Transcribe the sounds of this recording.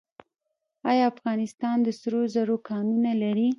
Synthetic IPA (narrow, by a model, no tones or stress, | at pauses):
ɑjɑafɣɑnɪst̪ɑnd̪əsɾozaɾokɑnunalaɾi